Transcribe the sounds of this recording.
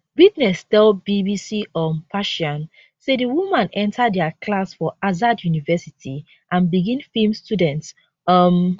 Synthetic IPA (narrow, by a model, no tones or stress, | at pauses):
witnɛstɛlbibisiʔɔnpaʃɔ̃n | sediwumãnɛ̃ntʰadɛakʰlasfɔʔazadjunivɛsitʰi | ʔãnbiɡĩnfilmstudɛ̃nts | ʌm